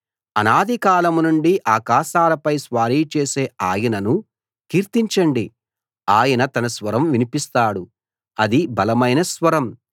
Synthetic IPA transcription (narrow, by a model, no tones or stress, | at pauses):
ɐnaːd̪ʱikaːlɐmunuɳɖiʔaːkaːʃaːlɐpɐjsʋaːɾiːt͡ʃeːseːaːjɐnɐnu | kiːɾt̪iɲt͡ʃɐɳɖi | aːjɐnɐt̪ɐnɐsʋɐɾɐmʋinipist̪aːɽu | ɐd̪ibɐlɐmɐjnɐsʋɐɾɐm